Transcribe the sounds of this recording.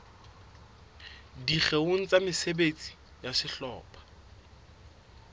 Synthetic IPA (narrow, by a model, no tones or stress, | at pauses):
diχeon̩t͡sʼamɪsebet͡sʼi̥ | jasɪɬɔ̰ːpʰḁ